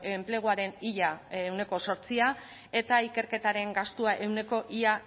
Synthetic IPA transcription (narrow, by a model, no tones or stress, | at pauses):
mple̞ɣ̞uaɾe̞niʎaewne̞ko̞so̞ɾt͡sia | e̞t̪aike̞ɾke̞t̪aɾe̞ŋɡast̪uaʔe̞wne̞ko̞ʔiʎa